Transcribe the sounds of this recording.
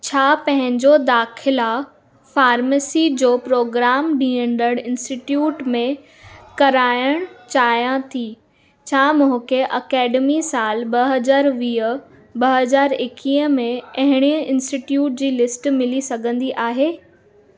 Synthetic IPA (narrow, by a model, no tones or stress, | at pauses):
t͡ɕʰaːpɐ̃ɦɪ̃ɲd͡ʑod̪aːxɪla | faːɾməsid͡ʑoːpɾoːɡɾaːmɗĩːə̃ɳɖəɽ̃ɪ̃nsʈɪʈjuːʈmẽ | kɐɾaːjəɽ̃t͡ɕaːjãt̪ʰiː | t͡ɕʰaːmʊ̃ɦʊ̃kʰeʔɐkɛːɖəmisaːlbɐɦɐzaːɾʋiːə̆ | bɐɦɐzaːɾɪkiːəmẽɐ̃ɦɪɽ̃iəɪ̃nsʈiʈjuːʈ̚d͡ʑiːlɪsʈmɪlisɐɡʱə̃nd̪iʔaːɦeː